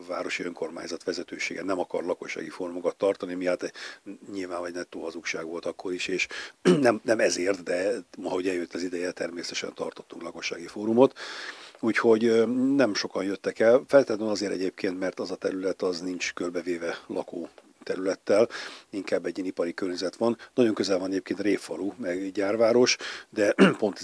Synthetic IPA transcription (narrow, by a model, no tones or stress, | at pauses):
va̰ːɾo̞ʃiøŋko̞rma̰ːɲzɒt̪ʋɛzɛt̪øːʃḛːɡɛnɛmɒkɒ̰rlɒko̞ʃːa̰ːɡifoːɾumokɒt̪ːɒrt̪ɒnimiat̪ɛɲilvaːnvɒɟnɛt̪ːoːɦɒzukʃaːɡʋo̞lt̪ɒkʰːo̞ɾiʃeːʃnɛmnɛmɛzeːrt̪d̪ɛmɒɦɒɦo̞ɟɛljøt̪ːɒzid̪ɛjɛt̪ɛrmeːsɛt̪ɛʃɛ̰nt̪ɒ̰rt̪o̞t̪ːuŋklɒko̞ʃa̰ːɡifoːɾumo̞t̪uːcho̞ɟnɛmʃo̞kɒnjøt̪ːɛkɛlfɛlt̪ɛld̪ønɒzeːɾɛ̰ɟeːp̚kʰeːnt̪mɛrt̪ɒzɒt̪ɛɾylɛt̪ɒznint͡ʃkølbɛveːvɛlɒ̰koː | t̪ɛɾylɛt̪ːɛliŋkaːbːɛɟːiːnipɒɾikørɲɛzɛt̪ʋɒnːɒɟo̞ŋkøzɛlvɒnɛɟeːp̚keːnt̪reːffɒlumɛɡɟaːrvaːɾo̞ʃd̪ɛpo̞nt̪